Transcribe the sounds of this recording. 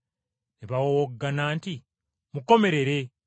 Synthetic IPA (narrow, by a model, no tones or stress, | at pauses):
niβawowoɡːanaːnti | muko̞me̞ɾe̞ɾe̞